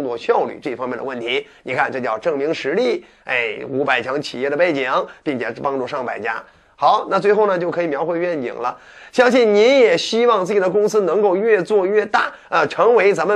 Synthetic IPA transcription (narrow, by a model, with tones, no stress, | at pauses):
ŋt͡swɔ˥˧ɕjɑ˥˧ʊly̰˥˩ʈ͡ʂɤ˥˩i˩fɑ˥ŋjɛ˥˩nd̪ə˧wə˥˩nt̪ʰi˧˥ni˨˩kʰa˥˧nʈ͡ʂɤ˥˧t͡ɕjɑ˥˧ʊʈ͡ʂɤ˥˩ŋmi˧˥ŋʂɻ̩˧˥li˥˩ | ḛ˥˩ɪu˧˥pa˨˩ɪt͡ɕʰjɑ˧˥ŋt͡ɕʰḭ˨˩jɛ˥˩d̪ə˩pe˥˩ɪt͡ɕi˧˩ŋpi˥˩ŋt͡ɕʰjɛ˨˩pɑ˥ŋʈ͡ʂu˥˧ʂɑ˥˩ŋpa̰˨˩ɪt͡ɕja̰˥ | xɑ˧˥ʊna˥˩t͡swxo˥˩ʊnə˩t͡ɕjo˥˩ʊkʰɤ˧˥i˨˩mjɑ˧˥ʊxwe˥˧ɪɥɛ˥˩nt͡ɕḭ˨˩ŋlə˦ | ɕjɑ˥ŋɕi˥˩nni˧˥njɛ˨˩ɕi˥wɑ˥˧ŋt͡sɹ̩˥˩t͡ɕi˨˩d̪ə˧k̬ʊ˥ŋsɹ̩˥nɤ˧˥ŋko˥˧ʊɥɛ˥˧t͡swɔ˥˧ɥɛ˥˧t̪a˥˩ | ə˧ʈ͡ʂʰɤ˧˥ŋwe˧˥ɪt͡sa˧˥mə˧